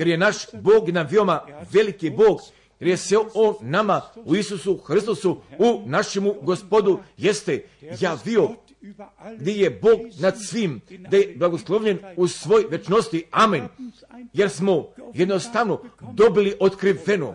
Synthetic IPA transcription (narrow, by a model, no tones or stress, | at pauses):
je̞ɾje̞naʃboːɡnaʋiomaʋe̞likibo̞ːɡ | jeɾje̞seoːnːamauisusuxɾist̪osuunaʃemuɡo̞spo̞d̪ujest̪ejaːʋio | ɡd̪ije̞bo̞ːɡnad̪sʋiːmd̪aje̞blˠaɡoslˠo̞ʋʎe̞nusʋo̞jʋe̞t͡ʃno̞st̪iamen | je̞ɾsmo̞je̞d̪nost̪aʋno̞d̪o̞biliʔo̞t̪kɾiʋe̞no̰